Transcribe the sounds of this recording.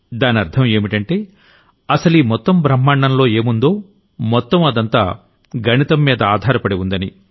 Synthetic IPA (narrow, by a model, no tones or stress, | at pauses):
d̪aːniɐɾt̪ʰɐme̞ːmiʈɐɳʈe̞ː | ɐsɐliːmɔt̪ːɐmbɾɐmːaːɳɖɐnlo̞ːe̞ːmund̪o̞ː | mɔt̪ːɐmɐd̪ɐnt̪aː | ɡʱɐnit̪ɐmːiːd̪ɐaːd̪ʱaːɾɐpɐɽeund̪ɐni